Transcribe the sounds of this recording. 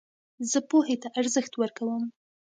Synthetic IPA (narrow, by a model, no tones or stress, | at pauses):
zəpohet̪aʔaɾzəxt̪wəɾkawəm